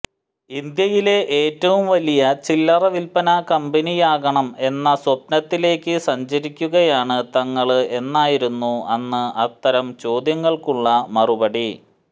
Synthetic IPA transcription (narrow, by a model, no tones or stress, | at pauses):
ind̪jɐjile̞ʔeːtːɐʋumʋɐlijɐt͡ɕilːɐrɐʋilpɐnakɐmbɐnijaːɡɐɳɐme̞nːɐswɐp̚nɐt̪ːile̞ːkːɨsɐɲt͡ɕɐɾikʲːuɣɐjaːɳɨt̪ɐŋːɐɭe̞nːaːjiɾunːuɐnːɨɐt̪ːɐɾɐmt͡ɕo̞ːd̪jɐŋːɐɭkuɭːɐmɐrubɐɽi